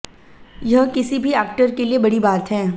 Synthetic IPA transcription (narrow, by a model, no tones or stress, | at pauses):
jɐɦkɪsibʱiɛːk̚ʈəɾkeliebɐɽibaːt̪ɦɛ̃ː